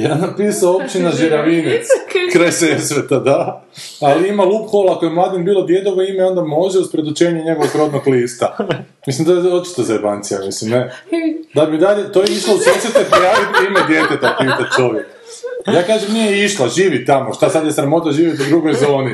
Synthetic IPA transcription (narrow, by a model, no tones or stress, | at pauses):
jaːnapiːsaoop̚t͡ʃinaʒiɾaʋinet̪skɾajsesɾet̪ad̪a | aliimalˠupxolˠako̞jemlˠaːd̪inbiːlˠo̞d̪je̞d̪oʋoimeio̞nd̪amo̞ʒeuspɾed̪ut͡ʃeːɲeɲe̞ɡoʋoɡɾo̞d̪noɡliːst̪a | mislimt̪ojeot͡ʃi̥t̪ozeɾbant̪sija̰mislimned̪amid̪aʎet̪ojeiʃlausoset̪epojaːʋit̪imed̪je̞t̪et̪apiːt̪at̪̚ʲt͡ʃo̞ʋjek | jaːkaːʒemnijɛiʃlaʒiːʋit̪amoʃt̪asad̪jesɾamo̞t̪aʒiːʋjet̪ud̪ɾuɡo̞jzo̞ːni